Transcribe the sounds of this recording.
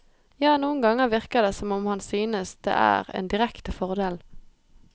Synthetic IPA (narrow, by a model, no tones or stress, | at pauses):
jɑːnuːənɡɑŋəʋɪʁkəd̪eːsɔmɔmhɑnsyːnəsd̪̥ḛːʔæ̰ːʁḛːnd̪ɪʁɛkt̪əfɔʁd̪eːl